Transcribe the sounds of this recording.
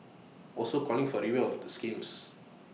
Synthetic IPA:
ʔɔlsokʰɔlĩŋfɔɾiwelɔfdəskĩms

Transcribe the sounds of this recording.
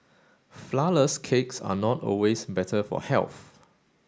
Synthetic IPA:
flaləskʰeksa̰nɔtɔ̰lwesbɛtʰəfɔ̰hɛ̰lθ

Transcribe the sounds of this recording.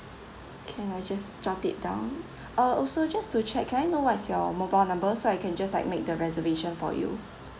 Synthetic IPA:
kʰɛ̃najd͡ʒastatḭt̚dã̰ʊ̃n | əɔsod͡ʒastut͡ʃʰɛk̚kʰɛ̃najnowɔtsjɔmobaɪlnãmbəsoaɪkʰɛ̃nd͡ʒaslaɪk̚mek̚dəɹɛzəveʃə̃nfɔ̰jṵ

